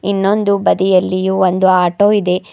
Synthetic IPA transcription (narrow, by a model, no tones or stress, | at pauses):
inːo̞nd̪ubɐd̪ijɐlːijuond̪uaːʈo̞ːid̪e̞